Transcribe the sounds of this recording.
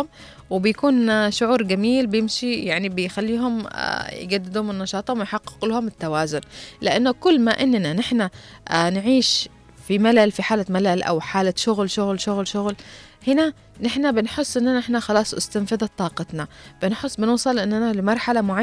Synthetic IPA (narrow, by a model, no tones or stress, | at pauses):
ʊm | wɪbɪjkuːnʃʊʕuːɾˤɡamiːlbjɪmʃijaʕnibɪjxalːiːɦʊm̰j̰ɡad̪ːɪd̪hʊmɪnːɑʃɑːt̪ˤhʊmɪjħɑqːɪ̥qlhʊmɪt̪ːawaːzʊnlɪʔanːʊkʊlːmaʔɪnːnanɪħnanʕiːʃ | fimalalfiħaːlamalalʔa̰wħaːlaʃʊɣlʃʊɣlʃʊɣlʃʊɣl | hɪna | nɪħnabɪnħɪsˤːʔɪnːanaɪħnaxɑlɑːsˤʔʊ̰st̪amfɪðɑt̪ˤːɑːqɑt̪nɑb̥ɪnħɪsˤːbɪnʊːsˤɑlʔɪnːanalɪmɑɾˤħalamʊʕa